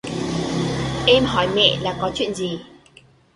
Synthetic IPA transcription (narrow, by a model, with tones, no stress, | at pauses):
ʔɛ˧mɦɔ˧˩jmɛ̰˧˨laː˨˩kɔ˨˦t͡ɕwḭ˧˨ənzi˨˩